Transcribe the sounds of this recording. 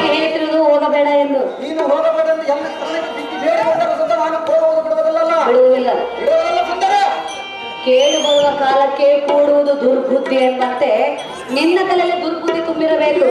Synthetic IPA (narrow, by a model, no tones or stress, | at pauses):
ɡiɦeːɭt̪iɾod̪uɦoːɡɐbɛːɽɐend̪uniːnuɦoːɐɡɐbeʈɐend̪uɐnːɐst̪ʰɐɾɐlɐnːebik̪ːibʱeːɽiɦɐnt̪ɐnːɐsud̪ɐnaːnukoːɡɐʋd̪ubiɽuʋɐd̪ɐlːɐlːɐbiɽuʋɐd̪ilːɐbiɽuʋɐd̪ilːɐsɐnd̪ɐɾe | keːlubɐʋuʋɐkaːlɐkːe̞kuːɽuʋud̪ud̪uɾbʱud̪ːient̪ɐnt̪e̞ | ninːɐt̪ɐleɐlːid̪uɾbʱud̪ːit̪umbiɾɐbe̞ːku